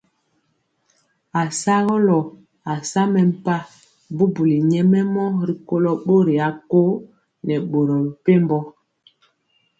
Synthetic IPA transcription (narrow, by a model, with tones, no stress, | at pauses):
a˨sa˦ɣɔ˦lɔ˨ | a˨sa˦mɛ˨m̩˨pa˦ | bu˦bu˨li˨ɲɛ˦mɛ˦mɔ˦ɾi˨ko˦lɔ˦ɓo˦ɾi˨a˨˦ko˦ | nɛ˨ɓo˨ɾɔ˨pe˦mbɔ˦